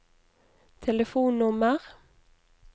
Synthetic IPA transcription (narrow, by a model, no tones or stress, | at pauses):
t̪ʰɛləfuːnnʊməʁ